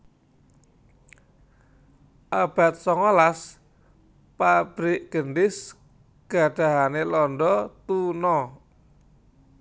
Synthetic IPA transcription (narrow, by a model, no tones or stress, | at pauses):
ʔab̥a̤t̪̚sɔŋɔlas | pab̥ɾɪʔɡ̥əndɪs | ɡ̥a̤ɖ̥a̤ɦanelɔnɖɔt̪unɔ